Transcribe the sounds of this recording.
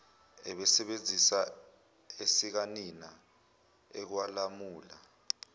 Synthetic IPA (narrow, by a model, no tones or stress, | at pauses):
ɛɓɛsɛɓend͡zʱisa | esik̬anina | ɛk̬walamuːla